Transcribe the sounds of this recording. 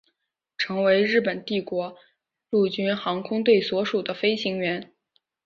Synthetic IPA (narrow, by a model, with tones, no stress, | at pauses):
ʈ͡ʂʰɤ˧˥ŋwe˧˥ɪɻɻ̩˥˩pə˨˩nt̪i˥˩kwɔ˧˥ | lu˥˩t͡ɕy˥nxɑ˧˥ŋkʰʊ˥ŋt̪we˥˩ɪswɔ˧˥ʂu˨˩d̪ə˦fe˥ɪɕi˧˥ŋɥɛ˧˥n